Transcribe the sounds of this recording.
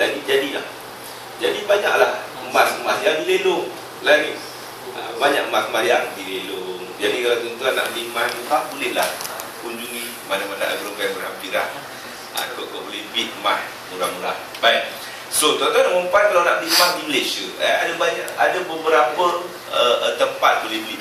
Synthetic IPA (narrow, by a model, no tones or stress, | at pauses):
laɡid͡ʒadilah | d͡ʒadibaɲa̰ʔlah | masmahjaŋdilelʊŋ | laɡi | ə̰baɲaʔmasmahjaŋdilelʊŋd͡ʒadikalat̪ɔnt̪uanːa̰ʔbimahnutaʔbulɪhlahkuɲd͡ʒuŋi | manamana̰ʔabəɾompajbəɾappiɾah | a̰k̪oʔkoʔbolɪhbit̪̚mah | uɾaŋmuɾa̰h | bajk̚ | sot̪ɔnt̪uanaməmpan̚kalawnaʔbəlimahdiməlesəəadabaɲaʔadabəbəɾapə | ət̪əmpat̪̚bolɪhbit̪